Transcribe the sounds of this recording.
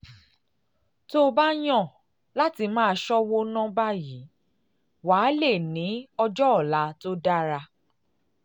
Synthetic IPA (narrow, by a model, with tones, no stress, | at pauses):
to˦˧ba˦j̃ɔ̃˦˨ | la˦ti˧˦mãː˦˧ʃɔ˦wo˦nɔ̃˦ba˦ji˨˦ | waː˨˦le˦˨nĩ˨˦ɔ˧d͡ʒɔ˦ɔ˦˨la˨˦to˦da˦ɾa˧